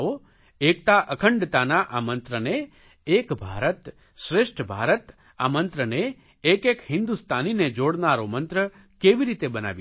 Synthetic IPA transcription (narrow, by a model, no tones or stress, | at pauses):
o | ek̚t̪aʔəkʰəɳɖt̪anaʔamənt̪ɾəneː | kbʱa̰ɾət̪ | ʃɾeʃʈʰbʱaɾət̪ | a̰mə̃nt̪ɾəneː | kekhɪnd̪ust̪ʰanined͡ʒoɽnaɾomənt̪ɾə | keʋiɾit̪ebəna̰ʋ